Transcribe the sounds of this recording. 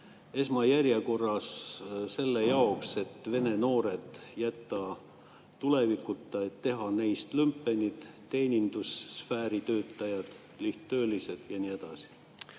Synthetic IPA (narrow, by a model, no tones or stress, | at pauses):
e̞smɑjæɾjeko̞rːɑsse̞lːejɑokse̞t̪ːve̞ne̞no̞ːɾe̞d̪̥jæt̪ːˑɑ | t̪ule̞vikːut̪ːˑɑet̪ːe̞ɦɑnejst̪lympːˑe̞nʲid̪̥t̪ːe̞ːnʲind̪̥usːfæːɾit̪ø̞ːt̪ˑːɑjɑd̪̥ | liht̪ːø̞ːlise̞d̪̥jɑnie̞d̪̥ɑsi̥